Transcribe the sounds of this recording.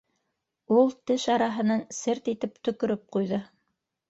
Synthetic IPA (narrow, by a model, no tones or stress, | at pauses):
ulˠt̪ɘʃɑɾɑɦɤ̆nɑnsɘɾt̪it̪ɘpt̪ɵ̆kɵ̆ɾɵp̚qujðɤ